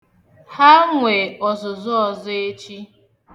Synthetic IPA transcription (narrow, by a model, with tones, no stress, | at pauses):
ha˦ŋʷe˨ɔ˨zʊ˨zʊ˦ɔ˨zʊ˦e˦t͡ʃi˦